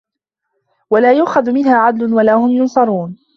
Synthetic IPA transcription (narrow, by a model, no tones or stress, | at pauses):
walaːjʊʔxaðʊmɪnhaːʕad̪lʊnwalaːhʊmjʊnsˤɑɾˤuːn